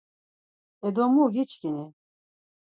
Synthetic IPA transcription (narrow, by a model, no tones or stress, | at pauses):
ɛd̪ɔmuɡit͡ʃkini